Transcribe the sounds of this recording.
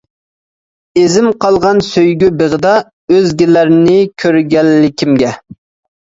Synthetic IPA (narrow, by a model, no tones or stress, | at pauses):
ezɪmqʰɑlˠʁɑnsøjɡʲybeʁəd̪ɑ | øzɡʲɪlæɾnɪkʲʰøɾɡʲɛlːɪkʲʰimɡʲɛ